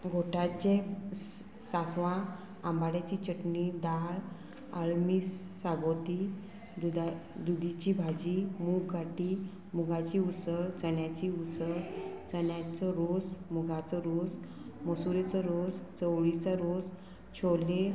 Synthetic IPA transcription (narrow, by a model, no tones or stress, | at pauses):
ɡʱoʈat͡ɕe | sasʋã | ãmbaɽjat͡ɕit͡ɕəʈnid̪aɭ | əɭmiːsː | aɡot̪i | d̪ud̪ad̪ud̪ʱit͡ɕibʱad͡ʑimuɡɡʱaʈiː | muɡʱat͡ɕiusəɭt͡səɳjat͡ɕiusəɾt͡sənjat͡səɾosmuɡʱat͡sɔɾos | məsuɾet͡sɔɾost͡səwɭit͡səɾos | t͡ɕʰole